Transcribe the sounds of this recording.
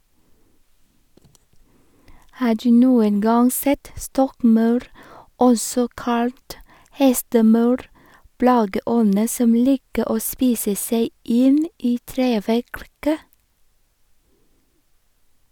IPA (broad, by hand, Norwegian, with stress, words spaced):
ˈhɑː ˈɖʉː ˈnuːən ˈɡɑŋ ˈsɛt ˈstɔkˌmɑʉɾ ˈɔsɔ ˈkɑlt ˈhɛstəˌmɑʉɾ ˈplɑːɡəˌɔnə ˈsɔm ˈliːkə ˈoː ˈspiːsə ˈseɪ ˈɪn ˈiː ˈtɾeːʋækɾkə